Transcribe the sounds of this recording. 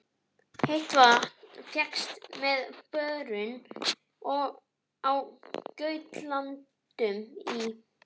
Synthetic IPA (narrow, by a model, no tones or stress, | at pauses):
hejht̪vafjɛkst̪mɛðpœðɾʏn | ɔɣ | awcœːɥt̪lantt̪ | ʏmi